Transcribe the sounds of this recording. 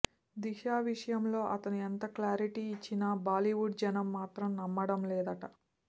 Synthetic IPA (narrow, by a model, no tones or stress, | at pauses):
d̪iʃaːʋiʂɐjɐmlo̞ːʔɐt̪ɐnuent̪ɐklaːɾiʈiːt͡ʃːinɐbaːliʋuɖd͡ʒɐnɐmːaːt̪ɾɐmnɐmːɐɽɐmlɛːd̪ɐʈɐ